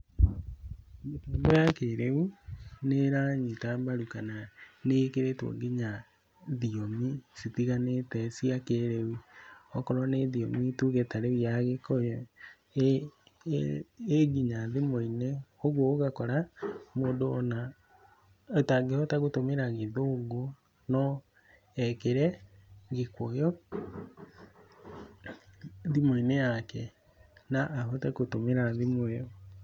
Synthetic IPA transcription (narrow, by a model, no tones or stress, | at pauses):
mojakeɾeuneɾaɲitambaɾukananekeɾetwo̰ɡiɲa | ðiomisitiɣanetɛsiakeɾewuɔkɔɾɔneðiomituɣetaɾewijaɣekɔjɔ | eɡiɲaðemoinɛoɣwooɣakɔɾamoːndoɔna | taɡehɔtaɣotomeɾaɣeðoɣo | nɔ | ɛkeɾɛɡekwɔjɔ | ðimoinejakɛ | naʔːɦotɛkotomeɾaðimwɛɔ